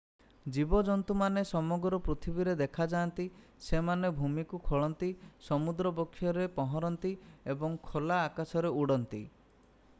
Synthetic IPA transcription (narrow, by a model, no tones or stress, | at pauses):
d͡ʒibɔd͡ʒɔnt̪umanesɔmɔɡɾɔpɾut̪ʰibiɾed̪ekʰad͡ʒant̪i | semanebʱumikukʰoɭɔnt̪isɔmud̪ɾɔpɔkʰːjɔɾepɔɦɔɾɔnt̪iebɔŋkʰolaːkasɔɾeuɽɔnt̪ḭ